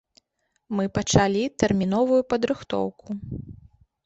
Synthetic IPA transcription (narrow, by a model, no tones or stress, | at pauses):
mɨpɐt͡ʂalʲit̪ɛrmʲinɔvujupɐd̪ɾɨxt̪ɔ̰wkʰu